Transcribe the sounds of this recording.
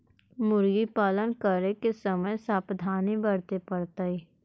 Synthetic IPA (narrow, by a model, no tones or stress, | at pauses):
mʊɾɡipaːlənkəɾnekesəməjsaːpd̪ʱaːnibəɽt̪epəɽt̪ai